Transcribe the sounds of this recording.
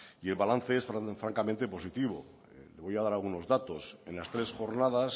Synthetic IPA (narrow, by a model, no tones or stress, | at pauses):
ie̞lβalan̟θe̞esffɾaŋkament̪e̞po̞sit̪iβ̞o̞̰ | le̞β̞o̞jaðaɾalɣuno̞zðat̪o̞se̞nlast̪ɾe̞sxo̞ɾnaðas